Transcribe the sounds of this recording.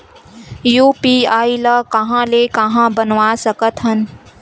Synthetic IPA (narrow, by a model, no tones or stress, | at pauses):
juːpiːaːilɐkɐɦãlekɐɦãbənʋaːsəkət̪ɦɐn